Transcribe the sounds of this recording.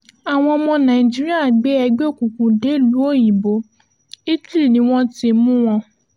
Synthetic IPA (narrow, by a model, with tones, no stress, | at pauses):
a˨w̃ɔ̃˧ɔ˧mɔ̃˧nã˨ĩ˨d͡ʒi˦ɾi˦a˦˨ɡ͡be˨˦ɛ˧ɡ͡bo˦˨kũ˨kũ˨de˨˦lu˨˦o˦˨ji˨bo˨˦ | i˦ti˦ɾi˦˨nĩ˨˦w̃ɔ̃˦ti˧mũ˦w̃ɔ̃˧